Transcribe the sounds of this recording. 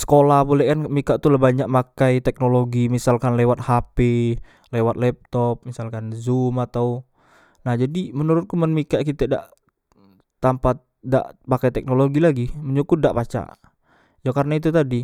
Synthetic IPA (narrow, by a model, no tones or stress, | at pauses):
sə̥kolahbolɛkanmikaʔt̪ulahbaɲaʔ̚makajt̪ɛk̚noloɡimisalkanlewat̪̚hape | lewat̪̚lɛp̚t̪ɔp̚misalkanzumat̪au | nahd͡ʒadimənuɾʊt̪̚kumənmikaʔkit̪əda̰ʔ | t̪ːampat̪̚da̰ʔpakajt̪ɛk̚noloɡilaɡiməɲukʊdaʔpat͡ʃa̰ʔ | jakaɾnait̪̬ut̪adi